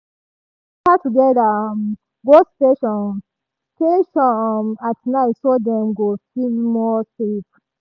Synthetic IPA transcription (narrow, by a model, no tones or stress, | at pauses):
katuɡɛda | ɡosteʃɔ̃n | steʃɔnatnaɪtsodɛ̃mɡofilmɔsip